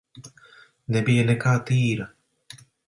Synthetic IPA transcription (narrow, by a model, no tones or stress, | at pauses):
nebienekat̪iːɾa